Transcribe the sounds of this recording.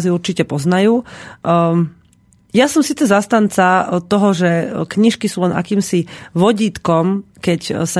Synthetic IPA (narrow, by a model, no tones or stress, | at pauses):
ziuɾt͡ʃicɛpɔznajuː | jasɔmsiːt͡sɛzast̪ant͡sat̪ɔɦɔʒɛkɲiʃkisuːlɛnʔa̰kiːmsiʋɔɟiːt̪kɔmkɛcsa